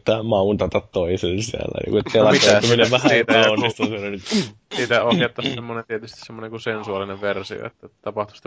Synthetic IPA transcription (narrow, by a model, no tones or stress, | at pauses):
t̪ːæːmɑunt̪ɑt̪ɑt̪toiselsiæ̰lːæ̰nḭːŋkuet̪pelɑmit̪ouminːeʋæhæit̪onːist̪ɑselisiːt̪æoket̪ːɑssemːonent̪iet̪yst̪i̥ssemːonenikusensuɑlineʋʋersḭo̰ḛt̪ːæt̪ɑpɑht̪u̥st̪